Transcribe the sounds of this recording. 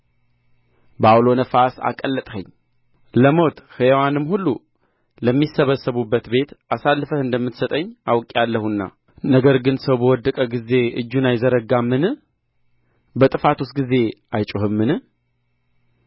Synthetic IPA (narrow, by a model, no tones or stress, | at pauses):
bawlo̞nəfasa̰kʼəlːət̪ʼhə̰ɲː | ləmo̞t̪hɨwanɨmhulːu | ləmːisəβəsːəβubːət̪be̞t̪asalːfəɨnd̪əmːɨt̪sət̪ʼəɲːawkʼalːəhunːa̰ | nəɡəɾɡɨnsəwbəwɔd̪ːəkʼəɡize̞ʔɨ̰d͡ʒːunajzəɾəɡamːɨn | bət̪ʼɨfat̪ʰusɡize̞ajt͡ʃʼoɦɨmːɨnɨ